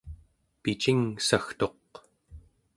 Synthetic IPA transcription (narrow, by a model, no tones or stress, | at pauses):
pit͡ʃiŋsaxt̪o̞q